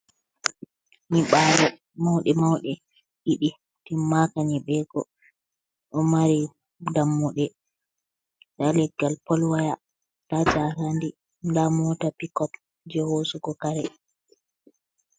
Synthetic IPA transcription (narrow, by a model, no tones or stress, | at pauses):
niɓalɔ | mawɗɛmawɗɛ | ʔiɗi | timːakaniɓɛːɡɔ̰ | ʔɔmaɾi | damːuɗɛ | nalɛɡːalpɔlwaja | tad͡ʒahandi | ndamɔtapikɔp | d͡ʒɛhosukɔkaɾɛ